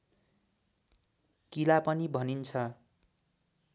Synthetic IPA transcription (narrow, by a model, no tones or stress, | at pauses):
kilapʌnibʱʌnint͡sʰʌ